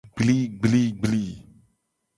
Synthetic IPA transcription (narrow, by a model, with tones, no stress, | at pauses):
ɡ͡bli˦ɡ͡bli˦ɡ͡bli˦